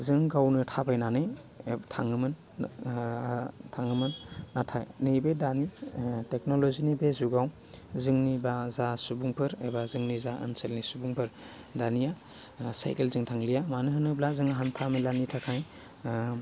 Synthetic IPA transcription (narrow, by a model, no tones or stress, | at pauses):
zɯŋɡawnɯtʰabajnanɯj | tʰaŋɯmɯn | tʰaŋɯmɯnːatʰajnibedanitek̚nolozinibezuɡaw | zɯŋnibazasubuŋpʰɯɾebazɯŋnizaʔə̰nselnisubuŋpʰɯɾ | danija | sa̰jkelzɯŋtʰaŋlijamanɯɦɯnɯblazɯŋɦantʰamɯlanitʰakʰaj